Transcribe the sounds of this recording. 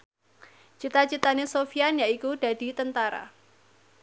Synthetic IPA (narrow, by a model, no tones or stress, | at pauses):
t͡ʃit̪at͡ʃit̪anesofianjaikud̥a̤d̥i̤t̪ənt̪aɾa̰